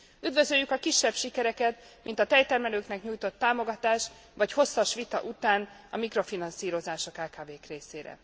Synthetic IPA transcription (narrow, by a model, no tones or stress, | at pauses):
yd̪vø̞zø̞jːykɒkiʃːɛbʃikɛɾɛkɛt̪mint̪ɒt̪ɛjt̪ɛrmɛløːknɛkɲuːjt̪o̞t̪ːaːmo̞ɡɒt̪aːʃ | ʋvɒcho̞sːɒʃʋit̪ɒ̰ʔut̪aːnɒ̰mikro̞finɒnsiːɾo̞zaːʃokaːkaːveːkreːseːɾɛ̰